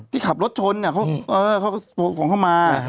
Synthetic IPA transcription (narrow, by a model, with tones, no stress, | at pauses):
t̪ʰiː˥˩kʰa˨˩p̚ɾo˦˥t̪̚t͡ɕʰo˧nːi˥˩ɐkʰa˦˥wʔɤː˧kʰa˦˥˩oː˨˧˩kʰɔː˩˦kʰa˥˩wmaː˧